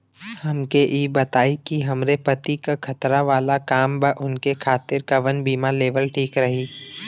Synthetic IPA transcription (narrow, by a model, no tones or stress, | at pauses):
hɐmkeʔiːbɐt̪aːikiɦɐmɾepɐt̪ikakʰɐt̪ɾaʋaːlakaːmbəʔʊnkekʰaːt̪ɪɾkɐʋənbiːmaleːʋəlʈʰiːkɾɐɦiː